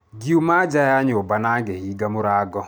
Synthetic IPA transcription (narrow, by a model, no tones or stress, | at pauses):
ɡiumad͡ʒajaɲobanaɡehiɡamʊɾaɡɔ